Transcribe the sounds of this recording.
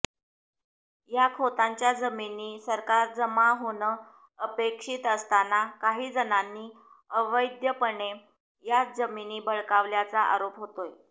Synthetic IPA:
jakʰot̪aɲt͡ɕjad͡zəminːiːsəɾkaɾd͡zəmaɦonə | əpekʂiːt̪əst̪anakaɦiːd͡zənanːiː | əʋəjd̪jəpəɳe | jad͡zəminiːbʱəɭkaʋljat͡saʔa̰ɾopɦot̪oj

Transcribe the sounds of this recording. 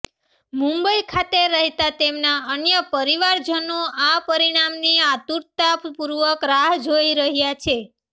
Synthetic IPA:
mũmbəikʰat̪eɾəɦet̪at̪emnaənjəpəɾiʋaɾd͡ʒənõapəɾiɽ̃amniat̪uɾt̪appuɾʋəkɾaɦd͡ʒoiɾəɦjat͡ʃʰe

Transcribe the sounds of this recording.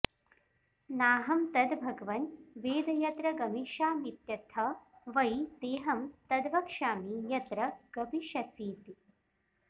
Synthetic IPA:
naːɦɐmt̪ɐd̪bʱɐɡɐʋɐnʋeːd̪ɐjɐt̪ɾɐɡɐmiʃaːmit̪jɐt̪ʰɐʋɐjd̪eːɦɐmt̪ɐd̪ʋɐkʂaːmijɐt̪ɾɐɡ̥ɐbʱiʃɐsiːt̪i

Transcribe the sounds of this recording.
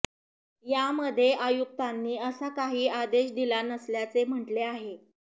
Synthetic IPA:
jaməd̪ʱːjeʔajuk̚t̪anːiːəsakaɦiːad̪eɕd̪ilanəsljat͡sem̤əʈleaɦe

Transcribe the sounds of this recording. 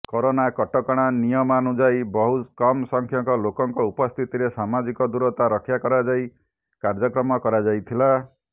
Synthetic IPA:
koɾonakɔʈɔkɔɽ̃anijɔmanud͡ʒajbɔɦukɔmsɔŋkʰjɔŋkɔlokɔŋkɔupɔst̪ʰit̪iɾesamad͡ʒikɔd̪uɾɔt̪aɾɔkʰjakɔɾad͡ʒaj | kaɾd͡ʒɔkɾɔmɔkɔɾad͡ʒajt̪ʰila

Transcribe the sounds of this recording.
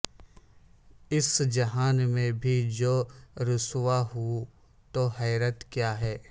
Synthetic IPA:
ɪsd͡ʒɐɦaːnmẽbʱid͡ʒoːɾʊswaɦu | t̪oːɦɛːɾət̪kjaːɦɛː

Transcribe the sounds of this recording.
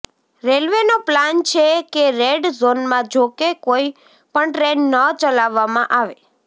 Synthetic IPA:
ɾelʋenoplant͡ʃʰekeɾeɖzonmãd͡ʒokekoi | pəɳʈɾenːət͡ʃəlaʋːamãʔaʋe

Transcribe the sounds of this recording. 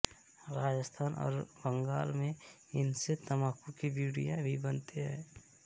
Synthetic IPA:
ɾaːd͡ʒəst̪ʰaːnʔɔ̰ːɾbəŋɡaːlmẽ | ɪnset̪əmaːkũkibjuːɽijãbʱibənt̪eɦɛ̃ː

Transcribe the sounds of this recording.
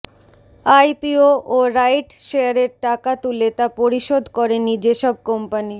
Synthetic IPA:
ajpioʔoɾajʈʃeaɾeɾʈakat̪ulet̪apoɾiʃod̪ʱkɔɾenid͡ʑeʃɔb̚kɔmpani

